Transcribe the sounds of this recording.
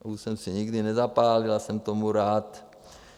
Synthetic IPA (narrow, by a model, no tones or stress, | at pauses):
uʃsɛmsɛɲiɡdɪnɛzapaːlɪlasɛmt̪omuɾaːt̪